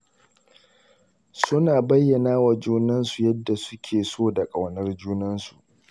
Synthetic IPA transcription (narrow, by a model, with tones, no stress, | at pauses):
sʊ˦naː˨bɐ˦jːɐ˨naː˦wa˨d͡ʒuː˦nɐ˦nsu˨jɐ˦dːa˨sʊ˦kʲʰeː˨soː˦˨da˨kʼa˨wnɐ˦rd͡ʒuː˦nɐ˦nsu˨ʔ